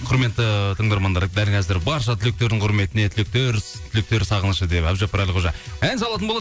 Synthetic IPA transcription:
qʰʊɾme̞t̪ːət̪ʰəɴd̪ɑɾmɑnd̪ɑɾd̪ælkʰʲæzɪɾbɑɾʃɑt̪ʰɪlɪk̚t̪e̞ɾd̪ɪɴqʰʊɾme̞t̪ɪne̞t̪ʰɪlɪk̚t̪e̞ɾt̪ʰʏlk̚t̪e̞ɾsɑʁənəʃəd̪epæbʒɑpːɑɾælʲqʰoʒɑænsɑlˠɑt̪ənbolˠɑ

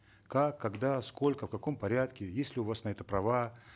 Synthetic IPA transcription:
kakːɐɡd̪asko̞lʲkəfkɐko̞mpɐɾʲat̪kʲɪjesʲlʲɪʊvasnɐɛt̪əpɾɐva

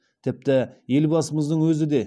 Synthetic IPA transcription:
t̪ʰɪp̚t̪ɪje̞lbɑsəməzd̪əɴwɵzɪd̪e̞

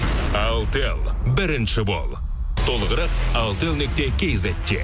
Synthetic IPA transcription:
ɑlˠt̪elˠbɪɾɪnʃɪbo̰lˠ | t̪ʰo̞lˠəʁəɾɑqɑlˠt̪elˠnek̚t̪ekʲʰejzæt̪ʲːḛ

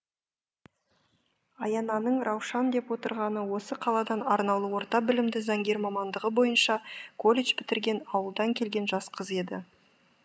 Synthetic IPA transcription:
ɑjɑnɑnəɴɾɑwʃɑnd̪e̞pwo̞t̪ə̰ɾʁɑnəwo̞səqʰɑlˠɑd̪ɑnɑɾnɑlˠəwo̞ɾt̪ɑbɪlɪmd̪ɪzɑŋɡʲe̞ɾmɑmɑnd̪əʁəbo̞jənʃɑkʰo̞lʲet͡ʃpɪt̪ɪɾɡʲe̞nɑwəlˠd̪ɑŋkʲʰe̞lɡʲe̞nʒɑsqʰəze̞d̪ɪ

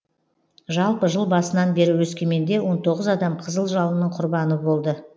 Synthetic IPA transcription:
ʒɑlˠpəʒəlˠbɑsənɑnbe̞ɾɪwɵskʲe̞me̞nd̪e̞wo̞nt̪ʰo̞ʁəzɑd̪ɑmqʰəzəlˠʒɑlˠənəɴqʰʊɾbɑnəbo̞lˠd̪ə

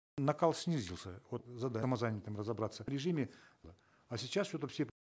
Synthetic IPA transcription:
nɐkalˠsʲnʲizʲilˠsʲəvot̪zɐd̪amɐzanʲɪt̪ɨmrəzɐbɾat̪səɾʲɪʐɨmʲɪlˠə | asʲɪt͡ɕːassʲot̪əfsʲep

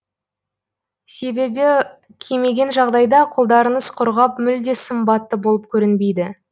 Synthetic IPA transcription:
se̞be̞bɪ | kʲʰeme̞ɡʲe̞nʒɑʁd̪ɑjd̪ɑqʰʊlˠd̪ɑɾəɴəzqʰʊɾʁɑpmʏld̪e̞səmbɑt̪ːəbo̞lˠəp̚kʲʰɵɾɪnbe̞jd̪ɪ

